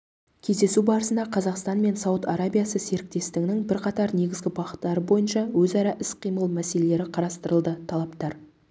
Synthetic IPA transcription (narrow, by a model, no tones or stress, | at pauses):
kʲʰe̞zd̪e̞subɑɾəsənd̪ɑqʰɑzɑqst̪ɑnme̞nsɑwət̪ɑɾabʲijasəse̞ɾɪk̚t̪e̞st̪ɪŋnɪŋbɪɾqʰɑt̪ɑɾne̞ɡʲɪzɡʲɪbɑqə̥t̪ːɑɾəbo̞jənʃɑwɵzɑɾɑʔɪsqʰijməlˠmæse̞le̞le̞ɾɪqʰɑɾɑst̪əɾəlˠd̪ət̪ʰɑlˠɑpt̪ɑɾ